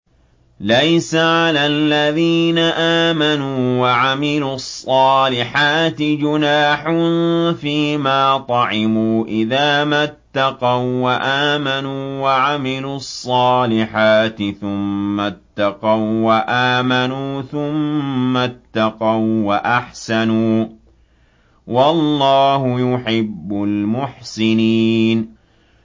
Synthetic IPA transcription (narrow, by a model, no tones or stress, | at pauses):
lajsaʕalaːlːaðiːnaʔaːmanuːwaʕamɪluːɑsˤːɑːlɪħaːt̪ɪd͡ʒʊnaːħʊnfiːmaːt̪ˤɑʕɪmuːʔɪðaːmat̪ːɑqɑwwaʔaːmanuːwaʕamɪluːɑsˤːɑːlɪħaːt̪ɪθʊmːat̪ːɑqɑwwaʔaːmanuːθʊmːat̪ːɑqawwaʔaħsanuː | wɑlˤːɑːɦʊjʊħɪbːʊlmʊħsɪniːn